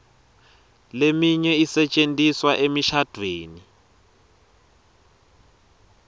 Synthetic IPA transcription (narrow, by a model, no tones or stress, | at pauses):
lemiɲɛisɛt͡ʃʼentʼiswaʔemiʃad̥ʱweːni